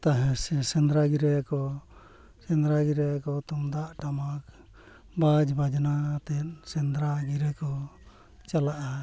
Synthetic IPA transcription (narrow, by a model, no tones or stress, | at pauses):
t̪aɦɛ̃sɛsɛnd̪ɾaɡiɾɛkɔ | sɛnd̪ɾaɡiɾɛkɔt̪ɔmd̪aʔʈamak̚ | bad͡ʒbad͡ʒnat̪ɛt̪̚sɛnd̪ɾaɡiɾɛkɔ | t͡ʃalaʔa